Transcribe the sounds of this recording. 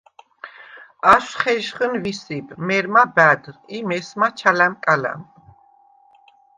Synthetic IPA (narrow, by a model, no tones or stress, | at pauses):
aʃχɛʒχənvisibmɛɾmabæd̪ɾimɛsmat͡ʃʰalæmkʼalæ̰m